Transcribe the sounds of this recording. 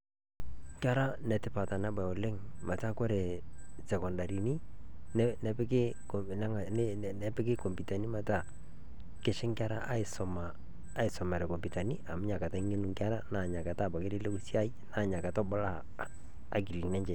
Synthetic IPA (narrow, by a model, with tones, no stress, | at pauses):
ŋka˦ɾa˦nɛ˨tɪ˦pa˨ta˨nɛ˦ba˨ɔ˨le˦ŋma˨ta˦kɔ˦ɾɛ˨sɛ˨kɔ˨nda˨ɾi˨ni˦nɛ˦nɛ˨˦pɪ˦kɪ˦˨ | nɛ˦ŋ˨˦˨ɛ˦pɪ˦kɪ˦kɔ˨mpi˨ta˨ni˦ma˨ta˦˨ | kɪ˨ʃɪ˦ŋka˦ɾa˦ʔa˦ɪ˨sɔ˨maː˨˦ | ɪ˨sɔ˨mɛ˨ɾɛ˨kɔ˨mbi˨ta˨ni˦a˨mʊ˦ɲa˨ka˨ta˦ŋe˦nu˨ŋka˦ɾa˦na˨ɲa˨ka˨ta˦˨ba˨kɪ˦lɪ˦le˦ku˦si˦a˦i˦na˨ɲa˨ka˨tɔ˦bɔ˦la̰ː˦˨ | ki˨li˨nɛ˦ɲt͡ʃɛ˨